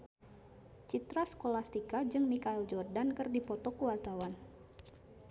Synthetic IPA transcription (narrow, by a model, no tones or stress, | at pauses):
t͡ʃit̪ɾaskolast̪ikad͡ʒɨŋmikaild͡ʒɔrdankɨrdipɔt̪ɔkuwart̪awan